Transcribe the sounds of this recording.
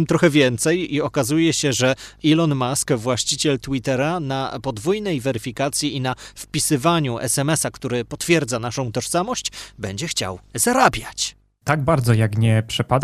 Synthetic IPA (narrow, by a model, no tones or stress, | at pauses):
mt̪ɾɔxɛvʲjɛnt̪sɛjiɔkazujɛɕɛʐɛilɔnmaskvwaɕt͡ɕit͡ɕɛlt̪wit̪ɛɾanapɔd̪vujnɛjvɛɾɘfʲikat̪sʲjiinafpʲisɘvaɲuʔɛ̰sɛmɛsakt̪uɾɘpɔt̪fʲjɛɾd̪zanaʂɔ̃w̃t̪ɔʂsamɔɕt͡ɕbɛɲd͡ʑɛxt͡ɕa̰wzaɾabʲjat͡ɕ | t̪aɡ̚baɾd̪zɔjakɲɛpʂɛpad̪